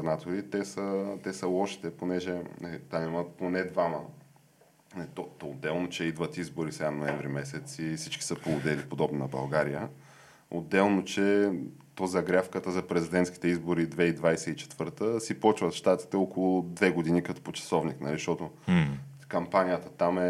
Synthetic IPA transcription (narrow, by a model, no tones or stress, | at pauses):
nat̪oɾit̪ɛsət̪ɛsəlˠɔʃi̥t̪ɛponɛʒɛɛt̪anaməponɛd̪vamə | t̪ɔt̪od̪ːɛlˠnot͡ʃɛid̪vət̪izbʊɾisɛɡanoɛɱvɾimɛsɛt̪sifsit͡ʃki̥səpolˠod̪ɛlipod̪ɔbninɐbɐ̰lˠɡaɾijə | o̰d̪ːɛlˠnot͡ʃɛ | t̪ɔzɐɡɾʲafkət̪əzɐpɾɛzid̪ɛnt̪ski̥t̪ɛizboɾid̪vɛid̪vajsɛit͡ʃɛ̥t̪v̥ɤɾt̪əsipɔt͡ʃvət̪ʃt̪at̪i̥t̪ɛɔkolˠʊd̪vɛɡod̪inikɐt̪ɔ̥pot͡ʃɐ̥sɔvniknɐ̰liʃt̪ɔt̪ʊ | kɐmpanʲijət̪ət̪amɛ